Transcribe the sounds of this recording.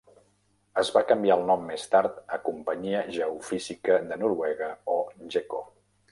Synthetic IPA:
əzβakəmbiaəlˠnɔmːest̪aɾt̪əkumpəɲiəʒəufizikəðənuɾwɛɣəoʒeko̰

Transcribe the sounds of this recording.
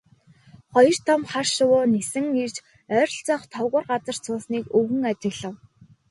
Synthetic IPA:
χɔjɞ̆r̥t̪ʰɔmχarʃʊwʊːnesɘ̆ŋirt͡ɕ | œːɾɞ̆ɬt͡sɔχt̪ʰɔwʁʊːrɢat͡sə̆r̥t͡sʰʊːsniːkɵɣɘ̆ŋat͡ɕɪ̆ɣɮə̆w

